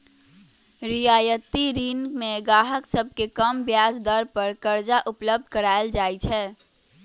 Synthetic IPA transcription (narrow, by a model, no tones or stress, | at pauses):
ɾijaːjət̪iɾiːnkmẽɡaːɦəksəb̚ʱkekəmbjaːsd̪əɾpəɾkəɾd͡ʒaʔʊpləb̚d̪ʱkəɾaːeld͡ʒaːit͡ʃʰɛː